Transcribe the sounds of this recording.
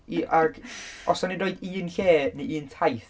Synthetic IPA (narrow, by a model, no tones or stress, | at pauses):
iʔaɡɔsɔnidoːjdiːnɬeːneiːntʰajθ